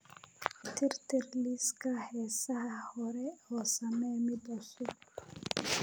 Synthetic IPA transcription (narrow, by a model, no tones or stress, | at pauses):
t̪ʰɪrt̪ʰɪrliskʰɐhɛːsɐhɐhɔɾɛɔːsɐmɛjmɪd̪ʊsʊb̚